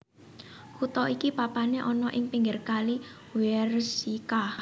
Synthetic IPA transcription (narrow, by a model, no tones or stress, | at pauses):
hut̪ɔʔikipapaneʔɔnɔʔɪŋpiŋɡɪrkali | wɛrsika